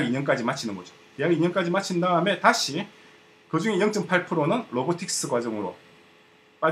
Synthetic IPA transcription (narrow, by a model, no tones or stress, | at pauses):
ɡiɲʌnk͈ad͡ʑimat͡ɕʰinɯnɡʌd͡ʑo | tejaɡiɲʌnk͈ad͡ʑimat͡ɕʰindaɯme̞taɕʰi | kɯd͡ʑuŋe̞jʌŋt͡ɕ͈ɯmpʰaɭpʰɯɾonɯnɾobotʰik̚s͈ɯɡwad͡ʑʌŋɯɾo̰ | p͈a